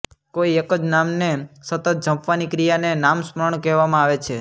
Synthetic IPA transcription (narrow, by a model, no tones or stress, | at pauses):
koiekəd͡ʒnamnesət̪ət̪̚d͡ʒʱə̃mpʋanikɾijanenamsməɾəɳkɛʋamãaʋet͡ʃʰe